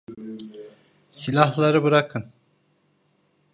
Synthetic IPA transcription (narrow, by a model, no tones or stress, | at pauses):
silʲaɦlˠaɾɯbɯɾakʰɯn